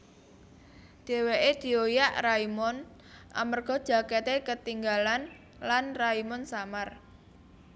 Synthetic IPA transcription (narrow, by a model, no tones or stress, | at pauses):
d̪̥e̤weʔed̪̥i̤ojaʔraimɔn | ʔa̰mərɡ̥ɔ̤d̥ʒ̥ä̤ket̪ekət̪iŋɡalan | lanraimɔnsamar